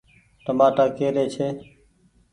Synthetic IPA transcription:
t̪əmaːʈaːkeːɾeːt͡ʃʰeː

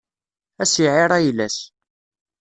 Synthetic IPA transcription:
æsiʕɪɾˤæjlːæs

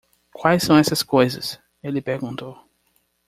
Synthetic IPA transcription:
kwajssɐ̃w̃ɛsɐskojzɐ̰s | elɪpeɾɡũnt̪ow

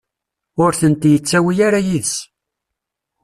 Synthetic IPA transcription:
ʊɾθənt̪jət͡sːæwijaɾajiðs

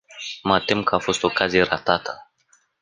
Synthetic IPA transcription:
məat̪emkəafo̞st̪o̞kazijeɾat̪at̪ʰə̥

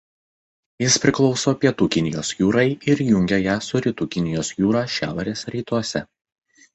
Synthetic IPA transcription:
jɪspʲɾʲɪklˠɒʊsoːpʲiɛt̪uːkʲɪnʲɪjoːsjuːɾɐɪɪɾjʊŋʲɡʲɛjæːsʊɾʲɪt̪uːkʲɪnʲɪjoːsjuːɾɑːʃʲæ̰ːʋɐɾʲeːsɾʲiːt̪uɔsʲɛ

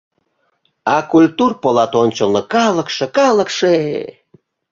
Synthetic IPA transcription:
ɑkulʲt̪urpolɑt̪onʲt͡ɕəlˠnɤ̆kɑlˠə̆kʃĕkɑlˠə̆kʃee

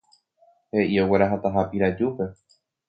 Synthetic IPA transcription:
he̞ʔioweɾaɦat̪aɦapiɾad͡ʒupe̞

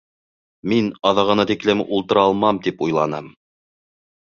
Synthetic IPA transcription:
minɑðɑʁɤ̆nɑt̪iklɘmulˠt̪ɤ̆ɾɑlˠmɑmt̪ipujlˠɑnɤm

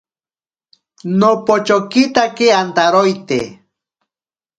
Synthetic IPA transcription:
nopot͡ʃokit̪akeant̪aɾojt̪ḛ

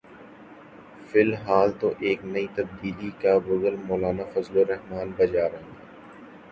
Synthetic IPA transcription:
fɪlɦaːlt̪oʔeːknɐit̪ɐb̚d̪iːlikabʊɡəlmɔːlaːnafɐzloɾɛɦmaːnbɐd͡ʒaːɾɐ̃ŋɡaː

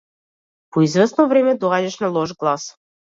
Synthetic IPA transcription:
poizvɛsnɔvɾɛmɛd̪ɔaɟaʃnalˠɔʒɡlˠas

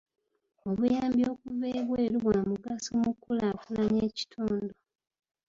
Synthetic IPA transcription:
o̞βujaːmbjo̞ːkuveːβweːɾuβwaːmuɡasomukːulaːkulaɲeːci̥tʰuːndo

